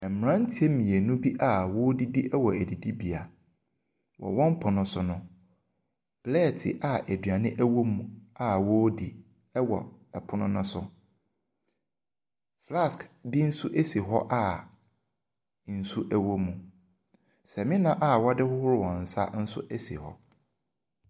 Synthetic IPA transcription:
ɛ˨m̩˨m˨ɾã˦n̩˦tʰi˦e˦mĩ˨e˨nũ˦bi˦ʔa˦˨wo˦di˦di˦ʔɛ˦wɔ˨æ˨di˨di˦bi˨a˨ | wɔ̰˨wɔ̃˦m˦pʰʊ˨nʊ̃˦sʊ˨nʊ̃˨ | b̥lɛ˦˨tʰɪ̰˨ʔa˨ʔæ˨dɥa˨nɪ̃˦ʔæ˦wo˦mũ˨a˨woː˦di˨ | ɛ˦wɔ̰˨ɛ˨pʰʊ˦nʊ̃˦nʊ̃˦sʊ˨ | fla˦˨skdi˦n̩˦su˦ʔe˦si˨ɦɔ˦ʔa˦˨ | n̩˨su˦ʔæ˦wo˦mũ˨ | sɛ˨mɪ̃˦nã˦ʔa˦wɔ˦dɪ˦hʊ˦hʊ˦ɾʊ˦wɔ̃˨n̩˨sa̰˦n̩˦sʊ̰˦ʔæ˦sḭ˨hɔ̰˦

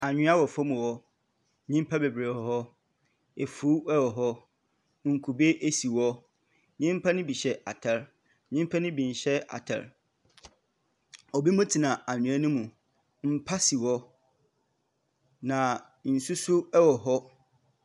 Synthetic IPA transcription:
a˨ɲᶣʊ̃˦a˦wɔ˨fɔ˦mũ˨wɔ˦ | ɲĩ˦m˦pʰa˦be˨bɾe˨hɔ˨ɦɔ˦ | e˨fuː˨˦ɛ˦wɔ˨ɦɔ˦ | ŋ̩˨kʰu˨be˦ʔe˦si˨wɔ˦ | ɲĩ˦m˦pʰa˦nʊ̃˦bi˨ɕɛ˨ʔa̰˨tʰɛ˨ɾ | ɲĩ˦m˦pʰa˦nʊ̃˦bĩ˨n˨ɕɛ˦a̰˨tʰɛ̰˨ɾ | ɔ˨bi˦mũ˦tʰi˨nã˨a˨ɲʊ̃˨a˦nʊ̃˦mũ˨ | m̩˦pʰa˦si˨wɔ˦ | nã˨ | n̩˨su˦sʊ˦ɛ˦wɔ˨ɦɔ˦

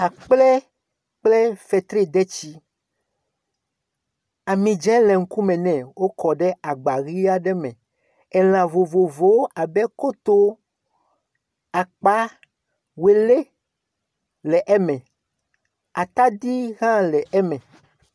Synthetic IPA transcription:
a˨k͡plɛ˦ | k͡plɛ˦fɛ˨t̪ɾe˦d̪ɛ˦t͡ɕi˦ | a˨mĩ˨d͡ʒɛ̃˦lɛ˨ŋ̩˦ku˦mɛ̃˨nɛ̃˨wo˦kɔ˨ɖɛ˦a˨ɡ͡ba˨ɣi˦a˦ɖɛ˦mɛ̃˨ | ɛ˨l̃ã˨vo˨vo˨vo˨˦a˨bɛ˦ko˦t̪o˦ | a˨k͡pa˦ | we˨le˦ | lɛ˨ʔɛ˦mɛ̃˨ | a˨t̪a˦d̪i˦ɣã˦lɛ˨ʔɛ˦mɛ̃˨

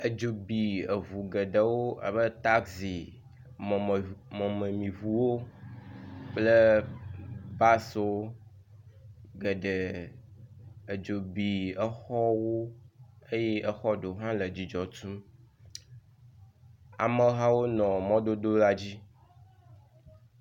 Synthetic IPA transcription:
ə˨d͡ʒo˨bi˨ə˨vu˨ɡə˨ɖə˨wo˦a̰˨bə˦t̪a˦ksi˨ | mɔ̃˨mə˨mĩ˨vu˨wo˦ | k͡plə˦ | ba˦swo˦ | ɡə˨ɖə˨ | ə˨d͡ʒo˨bi˨ə˦xɔ˦wo˦e˦je˦ʔə˦xɔ˦ɖo˨ɦã˦lə˨d͡ʑi˨d͡ʒɔ˨t̪u˦m | a̰˨mə˦ɦã˦wo˦nɔ̃˨mɔ̃˦d̪o˦d̪o˦la˦d͡ʑi˦

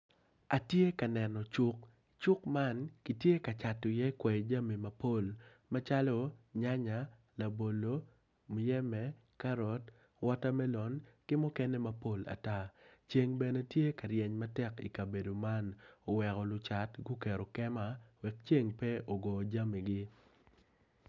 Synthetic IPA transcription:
a˨tje˦ka˨nɛ˨nɔ˨t͡ʃʊ˦k̚ | t͡ʃʊ˦kma˦nki˨tje˦ka˨t͡ʃa˨tːɔ˨jɛ˦kwɛ˨d͡ʒa˦mi˨ma˨po˦˨l | ma˦t͡ʃa˦lɔ˦ɲa˦ɲa˨ | la˨bo˨lo˨ | m˨jɛ˦mɛ˦ | ka˦ɾɔ˨t | wɔ˦ta˦mɛ˦lɔ˨nkɪ˦mɔ˦kɛ˦nɛ˦ma˦po˦la̰˨ta˦t͡ʃe˦ŋbɛ˨ne˦tje˦ka˨ɾjɛ˨ɲma˦tɛ˦ki˨ka˨be˨do˨ma˦no˨wɛ˨kɔ˨lʊ˨t͡ʃa˨tɡʊ˦kɛ˨ɾɔ˨kɛ˦ma˦wɛ˨k̚t͡ʃe˦ŋpɛ˦ʔo˨ɡɔ˨d͡ʒa˦mi˨ɡɪ˦

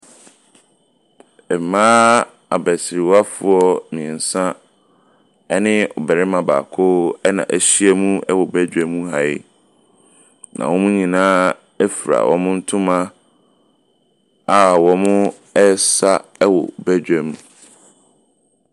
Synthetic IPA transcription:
ɛ˨mãː˦ | a̰˨bæ˨sɪ˨ɾi˨wa˦fʊ˦ɔ˦mĩ˨ɛ̃˨n̩˨sã˦ | ɛ˦nɪ̃˦ɔ̰˨bæ˨ɾɛ˦mã˨ba̰ː˨kʰo˦ɛ˦nã̰˨ʔæ˨ɕi˦ɛ˦mũ˦ɛ˦wɔ˨bæ˦d͡ʑᶣɛ˨mũ˦ɦa˨ɪ̰˦ | nʔã̰˨wɔ̃˦mũ˦ɲĩ˨nãː˦ | ɛ˦fi˨ɾa̰˨wʔɔ̰̃˨mʊ̃˦n̩˦tʰʊ̃˦mã˦ | a˦wɔ˨mʊ̃˦ | ɛ˦sa˦ɛ˦wɔ̰˨bæ˦d͡ʑᶣɛ˨mũ˦˨

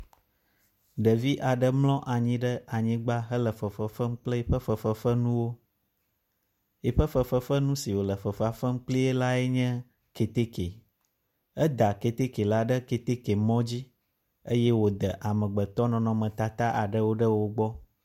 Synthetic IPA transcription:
ɖə˨vi˦ʔa˨ɖə˦mlɔ̃˦ʔa˨ɲĩ˦ɖə˦a˨ɲĩ˦ɡ͡ba˦ɦə˦lə˨fə˨fə˨fə˦m̩˦k͡plə˦i˨ɸə˦fə˨fə˦fə˦nũ˦wo˦ | i˨ɸə˦fə˨fə˦fə˦nũ˦si˨wo˨lə˨fə˨fa˨fə˦m̩˦k͡pli˦e˦la˦ɛ˦ɲɛ̃˦ | ke˨t̪e˦ke˨ | ə˦d̪a˨ke˨t̪e˦ke˨la˦ɖə˦ke˨t̪e˦ke˨mɔ̃˦d͡ʑi˦ | e˦jɛ˦wo˨d̪ə˨ʔa˨mə̃˨ɡ͡bə˨t̪ɔ˦nɔ̃˨nɔ̃˨mə̃˨t̪a˨t̪a˦ʔa˨ɖə˦wo˦ɖə˦wo˨ɡ͡bɔ˦

